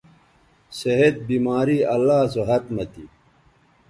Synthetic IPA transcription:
seɦet̪̚biːmaːɾiːɐlːaːsoɦɐt̪mɐt̪ḭ

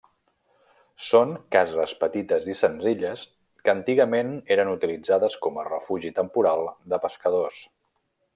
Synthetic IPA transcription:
soŋkazəspət̪it̪əzisənziʎəs | kənt̪iɣəmeneɾənut̪ilid͡zaðəskɔmərəfuʒit̪əmpuɾalˠd̪əpəskəðos

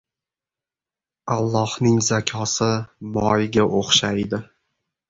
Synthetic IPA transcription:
alˠːɒhnɪŋzakʲʰɒsɪmɒjɪɡʲaʔoχʃajd̪ɪ

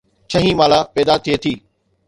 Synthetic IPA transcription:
t͡ɕʰɐɦĩmaːlapɛːd̪at̪ʰiet̪ʰiː

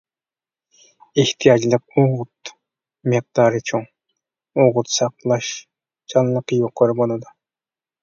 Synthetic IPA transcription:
eht̪ʰijɑd͡ʒlˠɨq̚oʁʊt̪ | meq̚d̪̥ɑɾɨt͡ʃʰoŋ | oʁʊt̪sɑqlˠɑʃ | t͡ʃʰɑnlˠəqːjoqːoɾɪbolˠɑd̪ʊ

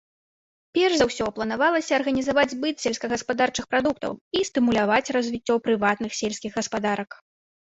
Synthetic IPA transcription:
pʲɛrʂzawsʲɔplˠɐnavalˠɐsʲɐɐrɣɐnʲizavad͡zʲbɨt̪sʲɛlʲsʲkɐɣɐspad̪art͡ʂɨxpɾad̪ukt̪ɐ̰wist̪ɨmulʲavat͡sʲrɐzʲvʲit͡sʲːɔpɾɨvat̪nɨxsʲelʲsʲkʲiɣɣɐspad̪aɾɐk

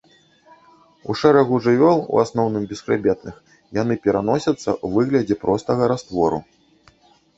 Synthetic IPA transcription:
uʂɛɾɐɣuʐɨvʲɔlˠṵasnɔwnɨmbʲɛskɾɨbʲɛt̪nɨx | jan̪ɨpʲɛɾanɔsʲɐt̪sːɐ̰uvɨɣlʲɐd͡zʲɛpɾɔst̪ɐɣɐɾast̪vɔɾṵ

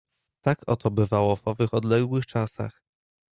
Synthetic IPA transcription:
t̪akɔt̪ɔbɘvawɔvɔvɘxɔd̪lɛɡwɘxt͡ʂasa̰x

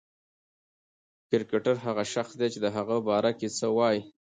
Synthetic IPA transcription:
kɪɾkeʈaɾɦaɣaʃaxsd̪et͡ʃed̪əɦaɣəbɑɾaket͡səwɑj

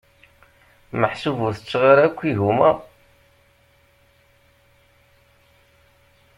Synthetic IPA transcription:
məħsuvuθət͡sːʁaɾakʷːiʝumæ

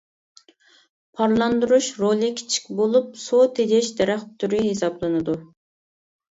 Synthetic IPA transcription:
pʰɑɾlˠɑnd̪uɾuʃɾolˠɨkʲʰɪ̥t͡ʃʰi̥kʲbolˠup̚sot̪ʰed͡ʒ̪ʲɛʃd̪ɛɾæχt̪ʰːyɾyɦesɑblˠɨnɨd̪u

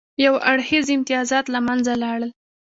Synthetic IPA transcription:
jawaɽhizɪmt̪ɪjɑzɑt̪lamanzalɑɽəl

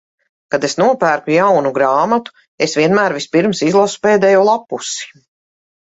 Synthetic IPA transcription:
kad̪esnuɔpæːɾkujawnuɡɾaːmat̪u̥ | esviɛnmæːɾvispiɾmsizlˠasu̥peːd̪ɛjuːlˠapusi̥

